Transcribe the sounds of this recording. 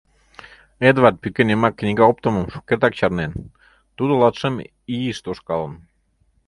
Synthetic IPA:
ed̪vɑt̪̚pykenemɑkːnʲiɣɑop̚t̪oməmʃu̥kert̪ɑk̚t͡ɕɑrnen | t̪ud̪olɑt̪ʃəm | iiʃt̪oʃkɑlən

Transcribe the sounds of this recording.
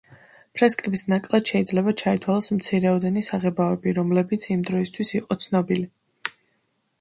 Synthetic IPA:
pʰɾɛskʼɛbisnakʼlˠad̪̥ʃɛid̪zlɛbat͡ʃʰait̪ʰwalˠɔsmt̪sʰiɾɛɔd̪ɛnisaʁɛbaɛbiɾɔmlɛbit̪sʰimd̪ɾɔist̪ʰwisiqʼɔt̪sʰnɔbili

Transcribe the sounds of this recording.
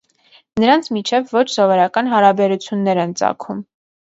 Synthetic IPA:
nəɾɑnt͡sʰmit͡ʃʰɛvːɔt͡ʃʰsɔvɔɾɑkɑnɦɑɾɑbɛɾut͡sʰjunːɛɾɛnt͡sɑ̰kʰum

